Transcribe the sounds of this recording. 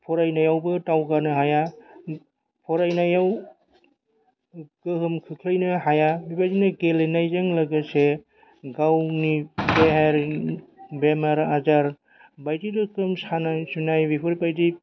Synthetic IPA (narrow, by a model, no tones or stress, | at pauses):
pʰɔɾajnajawbɯtawɡanɯɦaja | pʰɔɾajnajaw | kɯɦɯmkʰɯkʰlɯjnɯɦajabipajdinɯɡelenajzaŋlaɡɯse | ɡawnibeɦeɾ | bemaɾazaɾ | bajdidɯkɾɯmsanajsunajbipʰɯɾpajdi